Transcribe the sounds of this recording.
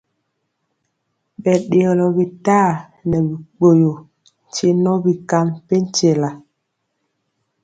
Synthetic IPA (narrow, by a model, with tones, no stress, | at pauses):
ɓɛ˨ɗe˨ɔ˨lɔ˨bi˨taː˦˨ | nɛ˨bi˨k͡po˨jo˨ | n̩˨t͡ʃe˦nɔ˦bi˨ka˦mpe˦n˦t͡ʃe˦˨la˨